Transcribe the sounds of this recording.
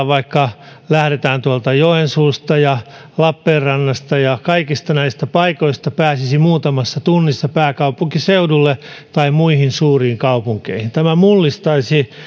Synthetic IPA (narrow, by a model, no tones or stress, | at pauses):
ʋɑikːɑlæhɾet̪æːnt̪uɑlt̪ɑjoensuːst̪ɑjɑ | lɑpːeːrrɑnːɑst̪ɑjɑkɑikist̪ɑnæist̪æpɑikoist̪ɑpæːsisimuːt̪ɑmɑsːɑt̪unːisːɑpæːkɑupuŋkiseudulːet̪ɑimmuihinsuːriːŋkɑupuŋkḛihint̪æmæmulːist̪ɑisi